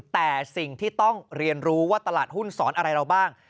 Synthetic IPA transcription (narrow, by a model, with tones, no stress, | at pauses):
t̪ɛː˨˩si˨˩ŋt̪ʰiː˥˩t̪ɔ˥˩ŋɾi˧ənɾuː˦˥waː˥˩t̪a˧laː˨˩t̪̚ɦu˥˩nsɔː˩˦nʔa˧ɾa˧jɾa˧wbaː˥˩ŋ